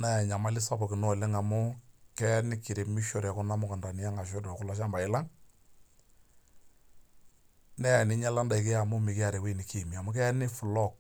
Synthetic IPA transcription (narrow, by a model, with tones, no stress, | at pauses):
na˦˨ɲa˨ma˦lɪ˦sɔ˦pɔ˨ki˨nɔ˦˨lɛ˦ŋa˨mʊ˦kɛ˦nɪ˦kɪ˨ɾe˨mi˦ʃɔ˨ɾɛ˨kʊ˦na˦mʊ˦ka˨nda˨ni˦a˦ŋa˨ʃ̬ɔ˦dɔ˨kʊ˦lɔ˦ʃa˦mba˨ɪ˦la˦ŋ | nɛ˦˨nɪ˦ɲa˦la˦nda˨ɪ˨ke˦a˨mʊ˦mɪ˨kɪ˦a˨ɾɛ˨we˦˨nɪ˨ki˦˨mi˨a˨mʊ˦k̬ɛ˦nɪ˦fʊ˨lɔ˦˨k̚